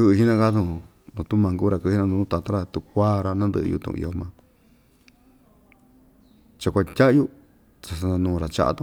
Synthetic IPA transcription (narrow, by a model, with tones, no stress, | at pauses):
ɨ˧ʔɦi˦nã˦˧ka˦t̪ũ˧ | nũ˨˧t̪u˦mã˧ŋɡu˦ɾa˧˨kɨ˧˦i˦nã˧nũ˧ũ˦t̪a˧t̪a˦ɾa˧t̪u˧kʷaː˦ɾa˧nã˦nd̪ɨ̰˧ʔɨ̰˧jṵ˧t̪ṵ̃˧ṵ̃˧˨ḭ˧o˧mã˧ | t͡ʃa˧kʷa˧tʲa˦ʔju˦ | t͡sa˧sa˧nã˧nũː˧˨˧ɾa˨t͡ʃa̰˧ʔa̰˧t̪ũ˧